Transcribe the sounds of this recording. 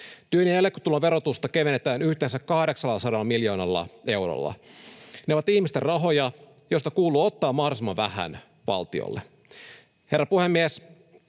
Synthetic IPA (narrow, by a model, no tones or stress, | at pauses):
t̪yønijælːekːot̪ulːɑʋe̞ɾot̪ust̪ɑkeʋenːet̪æːnyht̪eːnsækkɑhɾeksɑlːɑsɑdɑlːɑmiljo̞ːnɑlːɑ̰e̞wro̰lːɑ̰neo̞ʋɑt̪ihmist̪erɑɦo̞jɑ | jost̪ɑkuːluːot̪ːɑːmɑhrsimɑʋæhæ̰n | ʋɑ̰lt̪io̰lːe | herːɑpuhemːies